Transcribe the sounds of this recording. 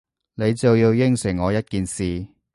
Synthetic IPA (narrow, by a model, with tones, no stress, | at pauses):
ne˨˧jt͡sɐ˨wjiː˧wjɪ˥ŋsɪ˨˩ŋːɔː˨˧jɐ˥t̚kiː˨nsiː˨